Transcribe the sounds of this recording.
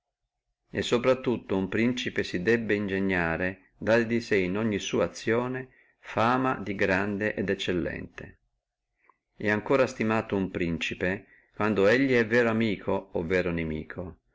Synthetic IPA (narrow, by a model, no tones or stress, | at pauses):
esːopɾat̪ːut̪ːoumpɾint͡ʃipesid̪ɛbːeind͡ʒeɲːaːɾe | d̪aɾd̪isɛinɔɲːisuːaːt̪sːjoːne | faːmad̪iɡɾand̪eʔɛd̪ɛt͡ʃːelːɛ̰nt̪ḛ | ɛaŋkoːɾast̪imaːt̪oumpɾint͡ʃipe | kwand̪oeʎːiɛvːɛːɾoamiːkʰoːvːɛːɾonemḭːkʰo